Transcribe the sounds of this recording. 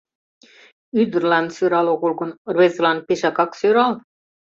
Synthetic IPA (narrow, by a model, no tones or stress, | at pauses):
yd̪rlɑnd̪syɾɑlˠokulkunrvet̪slɑnd̪̚piʃɑkɑksyɾɑl